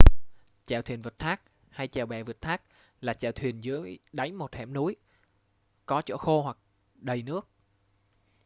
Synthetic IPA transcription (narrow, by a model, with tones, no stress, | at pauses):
t͡ɕa̰ː˧˩wt̪ʰwi˨˩ənvə˨˩t̚t̪ʰaː˦˥k̚ | ha˧jt͡ɕa˨˩wɓɛ̰˨˩və˨˩t̚t̪ʰaː˦˥k̚ | laː˨˩t͡ɕa̰ː˧˨˩wt̪ʰwi˨˩ənzɨ˨˦əjɗa˨˦jŋmo˨˩t̚hɛ̰˧˩mnu˨˦j | kɔ˨˦t͡ɕɔ̰˧˥xo˧hwa˨˩k̚ | ɗə˨˩jnɨ˦˥ək̚